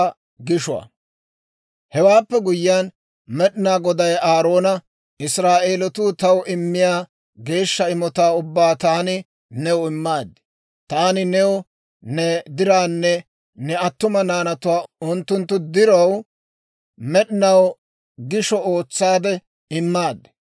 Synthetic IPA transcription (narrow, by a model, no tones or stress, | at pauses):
ɡɪʃʊwa̰ | hɛwaːpːɛɡʊjɪjaːn | mɛɗɪnaːɡɔd̪ɐjaːɾo̞ːnɐ | ɪsɾaːʔeːlɔt̪ʊːt̪ɐwɪmːɪjaː | ɡe̞ːʃːɐɪmɔt̪aːʊbːaːt̪aːnɪ | nɛwɪmːaːd̪ɪ̥ | t̪aːnɪnɛwɔ | nɛd̪ɪɾaːnːɛ | nɛɐt̪ːʊmɐnaːnɐt̪ʊwaːʊnt̪ːʊnt̪ːʊd̪ɪɾɐw | mɛɗɪnɐw | ɡɪʃɔo̞ːt͡sːaːd̪ɛ | ɪmːaːd̪ɛ